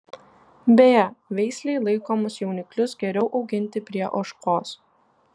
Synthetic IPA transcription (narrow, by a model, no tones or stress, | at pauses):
bʲejɛʋʲɛɪsʲlʲɛɪlˠɐɪkomʊsjɛʊnʲɪklʲʊsɡʲɛɾʲɛʊʔɒʊɡʲɪnʲt̪ʲɪpʲɾʲiɛʔɔʃkoːs